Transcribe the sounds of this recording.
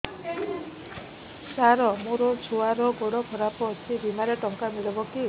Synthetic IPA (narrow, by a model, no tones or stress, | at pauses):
saɾɔmuɾot͡ʃʰoaɾɔɡɔɽɔkʰɔɾapɔːt͡ʃʰibimaɾeʈɔŋkamiɭɔbɔki